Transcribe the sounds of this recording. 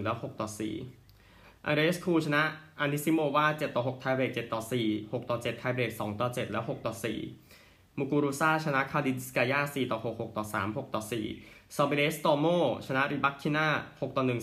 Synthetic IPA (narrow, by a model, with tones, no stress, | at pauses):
lɛː˦˥who˨˩k̚t̪ɔː˨˩sḭː˨˩ | ʔa̰˧ɾeː˦˥skʰuː˧t͡ɕʰa˧na˦˥ʔʔa˧ni˦˥si˦˥moː˧waː˥˩t͡ɕe˨˩t̪ːɔː˨˩ho˨˩k̚t̪ʰaː˧jbɾeː˨˩k̚t͡ɕe˨˩t̪ːɔː˨˩siː˨˩ho˨˩k̚t̪ɔː˨˩t͡ɕe˨˩t̪ʰːa˧jbeː˨˩k̚sɔː˩˦ŋt̪ɔː˨˩t͡ɕe˨˩t̪̚lɛː˦˥wɦo˨˩k̚t̪ɔː˨˩sḭː˨˩ | mu˧kuː˧ɾuː˧˥saː˥˩t͡ɕʰa˧na˦˥ʔkʰaː˧li˧nskaː˧jaː˥˩siː˨˩t̪ɔː˨˩ho˨˩k̚ho˨˩k̚t̪ɔː˨˩saː˩˦mho˨˩k̚t̪ɔː˨˩sḭː˨˩sɔː˧be˧le˦˥st̪ɔː˧moː˥˩t͡ɕʰa˧na˦˥ɾi˧˩ba˦˥kʰːi˧˥naː˥˩ho˨˩k̚t̪ɔː˨˩nɯ˨˩ŋ